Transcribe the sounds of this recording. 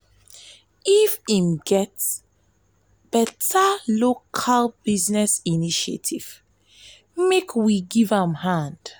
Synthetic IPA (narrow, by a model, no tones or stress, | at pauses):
ifĩmɡɛts | b̥ɛtʰalokʰalbiznɛsiniʃḛtʰḭv̥ | mekʰwiɡivãmhãnd̥